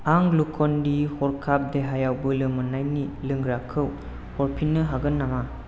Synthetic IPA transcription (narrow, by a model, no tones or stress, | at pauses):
aŋlukʰɔndihɔɾkʰap̚deɦajawbɯlɯmɯnajnilɯŋɡɾakʰɯw | hɔɾpʰinːɯɦaɡɯnːama